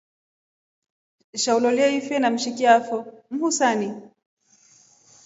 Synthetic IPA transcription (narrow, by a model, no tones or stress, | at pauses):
ʃaulɔliɛifɛnam̩ʃikiafɔm̩husani